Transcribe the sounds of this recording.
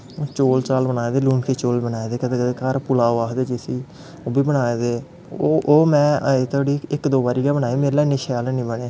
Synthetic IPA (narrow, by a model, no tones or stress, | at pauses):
oːt͡ʃoːlt͡ʃaːlbənaːed̪eːluːnkʰeːt͡ʃoːlbənaːeːd̪eːkəd̪eːkəd̪eːkəɾpʊlaːoaːd̪eːd͡ʒeːsiː | oːbiːbənaːeːd̪eː | oʔoːmɛ̃ːeːt̪ʰʊaːɽiːɪkd̪oːbaːɾiːɡabənaːeːmeːɾeːlaːineʃaːlenĩːbəɳeː